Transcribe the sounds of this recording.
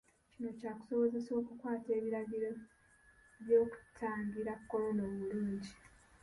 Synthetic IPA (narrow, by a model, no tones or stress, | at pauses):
cino̞caːku̥so̞βo̞ze̞so̞ːkukwaːte̞ːβiɾaɡiɾo | βjo̞ːku̥tʰaːŋɡiɾakːo̞lo̞noːβuluːɲɟi